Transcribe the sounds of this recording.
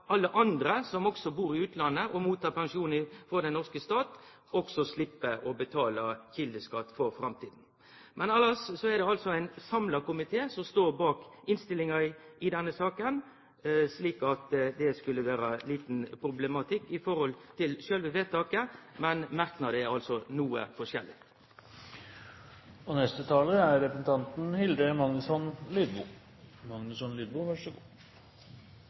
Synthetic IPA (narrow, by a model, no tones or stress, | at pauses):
ɑlːəʔɑnd̪ɾəsɔmɔksɔbuːɾɪʉːt̪lɑnːəʔɔmuːt̪ʰːɑːʁpɑŋʂuːnəfɔɾd̪ɛnːɔʁskəst̪ɑːt̪ | ɔksɔslɪpːəɔbət̪ʰɑːləçɪld̪əskɑt̪ːfɔɾfɾɑmt̪ʰiːd̪n̩ | mɛnɑlɑssɔɛʁd̪ɛɑlsɔæɪnsɑmlɑkʊmɪt̪ʰeːsɔmst̪oːɾbɑːkɪnst̪ɪlɪŋɑɪd̪ɛnːəsɑːkən | sliːkɑt̪d̪ɛskʉlːəʋæːɾəliːt̪npʰɾʊblɛmɑt̪ʰɪkːɪfɔɾhɔlt̪ʰɪlʃølʋəʋeːt̪ʰːɑːkəmɛnmæɾknɑd̪ɛæʁɑlsɔnuːə̰fɔʂjɛlːɪ̰ | ɔnɛst̪ət̪ʰɑːləæɾɾɛpɾəsn̩t̪ʰɑnt̪n̩hɪld̪əmɑŋnʉsɔnlyːd̪bṵː | mɑŋnʉsɔnlyːd̪̚buːʋæʂɔɡuː